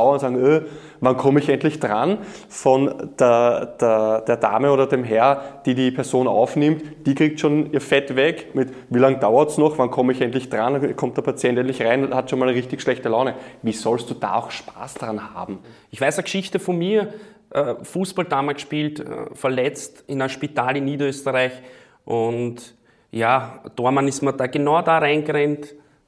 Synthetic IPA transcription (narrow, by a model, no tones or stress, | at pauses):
ʊɐnʊntz̥aːɡŋɛ | vankʰɔməɪçɛntlɪçd̥ʁan | fɔnd̥eɐd̥eɐd̥eːɐda̰ːməoːɾɐdemɦɛɐd̥iːdiːpʰɛɐzoːna̰ʊfnɪmtd̥iːkʁ̥iːk̚tʃoːniːɐfɛtvɛkmɪt | viːlaŋd̥aʊɐtsnɔχvankʰɔməɪçɛntlɪçd̥ʁankʰɔmt̚d̥ɛɐpʰat͡sjɛntɛntlɪçʁaɪnhatʃoːnmalnʁɪçtɪçʃlɛçtəlaʊnəviːsɔlstd̥uːd̥a̰ːa̰ʊxʃpa̰ːsd̥ʁanha̰ːbm̩ | ɪçv̥æɪsɐɡʃɪçtəfɔnmiːɐ | ʔɛfuːsb̥aldaːmalsʃpiːltə̰fɛɐlɛt͡stɪnaʃpitaːlɪnːiːdɐøːstəʁaɪç | ʔʊnt | jaːd̥oɐmanɪstmɐd̥aːɡ̥enaʊdaːʁaɪnɡəʁɛnt